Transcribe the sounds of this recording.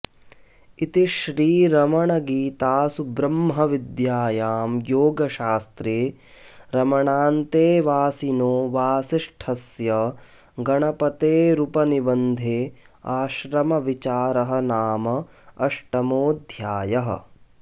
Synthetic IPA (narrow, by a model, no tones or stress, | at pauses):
it̪iʃɾiːɾɐmɐɳɐɡiːt̪aːsubɾɐmɦɐʋid̪jaːjaːmjoːɡɐʃaːst̪ɾeː | ɾɐmɐɳaːnt̪eːʋaːsinoːʋaːsiʂʈʰɐsjɐ | ɡɐɳɐpɐt̪eːɾupɐnibɐnd̪ʱeː | aːʃɾɐmɐʋit͡ʃaːɾɐɦɐ̆naːmɐː | ʂʈɐmoːd̪ʱjaːjɐɦɐ̰̆